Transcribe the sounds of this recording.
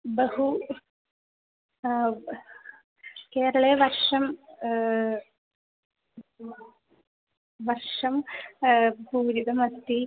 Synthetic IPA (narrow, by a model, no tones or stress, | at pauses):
bɐhu | keːɾɐɭeʋɐrʂɐm | ʋɐrʂɐm | puːɾid̪ɐmɐst̪ːi